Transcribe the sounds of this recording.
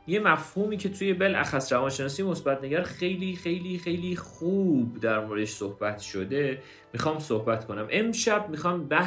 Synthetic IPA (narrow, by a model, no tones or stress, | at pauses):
je̞mæfhuːmiːcʰe̞t̪ʰuje̞belæ̰xæsɾævɒːnʃe̞nɒːsijmo̞sbæt̪ʰneɡæɾxe̞jliːxe̞jliːxe̞jliːχuːbd̪æɾmoːɾed̪eʃsohbæt̪ʰʃod̪e̞ | mixɒːmsohbæt̪kʰo̞næmʔe̞mʃæbmixɒːmbæ